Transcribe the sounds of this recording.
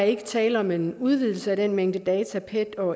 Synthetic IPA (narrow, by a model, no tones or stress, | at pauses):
e̝ɡ̥ət͡sʰɛ̰ːləɒ̽me̝nuð̞ˠʋið̞̰ˠl̩səæɾ̥enmeŋ̰d̥əd̥ɛːt͡sʰæpʰed̥ɒ̽